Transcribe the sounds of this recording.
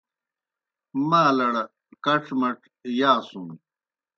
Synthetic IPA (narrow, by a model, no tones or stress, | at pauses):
maːlɐɽɐ | kɐʈ͡ʂʰmɐʈ | jaːsum